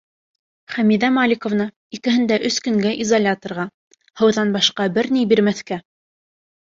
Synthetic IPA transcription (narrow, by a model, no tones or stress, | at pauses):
χæmiðæmalʲikŏvnɑ | ikɘ̆ɦɘ̆nd̪æʔɵskɵ̆ŋɡæʔizɐlʲat̪ŏrʁɑ | hɤ̆wðɑnbɑʃqɑbɘɾnijbiɾmæθkæ